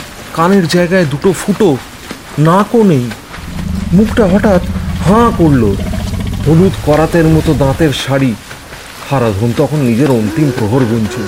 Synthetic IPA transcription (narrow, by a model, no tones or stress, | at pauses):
kaneɾd͡ʑaeɡaed̪uʈofuʈo | nakonej | mukʰʈaɦɔʈat̪hãkoɾloɦolut̪kɔɾat̪eɾmɔt̪od̪ãt̪eɾʃaɽi | kʰaɾad̪ʱont̪ɔkʰonːid͡ʑeɾont̪impɾoɦoɾɡoɲt͡ɕʰe